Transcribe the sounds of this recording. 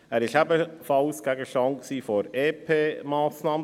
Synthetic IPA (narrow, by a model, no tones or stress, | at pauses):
ɛɾɪʃæbəfɑʊsɡ̥æɡəʃɑŋksiːfɔɾeːpʰeːmaːsnɑːmə